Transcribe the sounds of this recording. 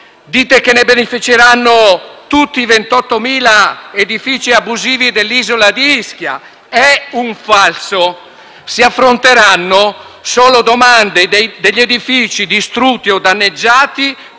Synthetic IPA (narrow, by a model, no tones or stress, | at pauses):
d̪iːt̪ekenːebenifit͡ʃeɾanːot̪ut̪ːiːvent̪ɔt̪ːomiːlaed̪ifiːt͡ʃiabːuziːvid̪elːiːzolad̪iiskja̰ | ɛuɱfalso | siafːɾont̪eɾanːo | soːlod̪omand̪ed̪ed̪eʎːed̪ifiːt͡ʃid̪ist̪ɾut̪ːiɔd̪anːed͡ʒːaːt̪i